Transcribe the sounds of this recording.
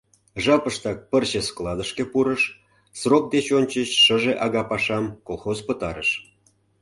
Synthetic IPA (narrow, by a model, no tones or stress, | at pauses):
ʒɑpəʃt̪ɑk̚pərt͡ɕesklˠɑd̪əʃkepuɾəʃ | srok̚d̪et͡ɕonʲt͡ɕəɕːəʒeʔɑɣɑpɑʃɑmkolˠxozpət̪ɑɾəʃ